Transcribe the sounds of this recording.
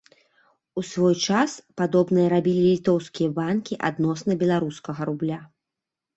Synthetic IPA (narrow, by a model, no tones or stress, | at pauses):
usvɔjt͡ʂaspad̪ɔbnɨjɐɾabʲilʲilʲit̪ɔwskʲijɐbankʲiʔa̰d̪nɔsnɨbʲɛlˠaɾuskɐɣɐɾublʲa